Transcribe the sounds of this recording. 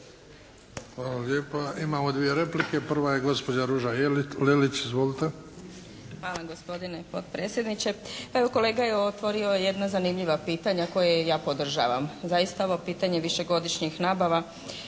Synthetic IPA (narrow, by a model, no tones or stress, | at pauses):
xʋaːlaleːpaimaːmod̪ʋijeɾeplikepr̩ʋajeɡo̞spod͡ʒaɾuʒalelit͡ɕizʋolit̪e | xʋaːlˠaɡo̞spo̞d̪inepo̞t̪pɾeːt̪sje̞d̪nit͡ɕe̞eʋoko̞le̞ːɡajeot̪ʋo̞ɾio̞jejed̪nazanimʎiʋapiːt̪aɲako̞jejaːpo̞d̪r̩ʒa̰ːʋa̰mzajist̪aoʋopiːt̪aɲe̞ʋiʃe̞ɡo̞d̪iʃɲixnaːbaʋa